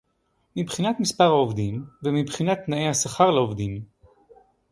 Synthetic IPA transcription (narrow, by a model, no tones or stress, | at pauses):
mibχinat̪mispaʁhaovd̪imvemibχinat̪naʔejhasaχaʁleovd̪im